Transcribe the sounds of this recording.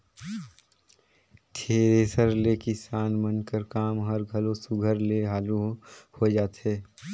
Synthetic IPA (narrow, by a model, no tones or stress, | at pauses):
t̪ʰeːɾeːsəɾlekɪsaːnmənkəɾkaːmɦəɾɡʱɐlosʊɡʱəɾleɦaːluhod͡ʒaːt̪ɦeː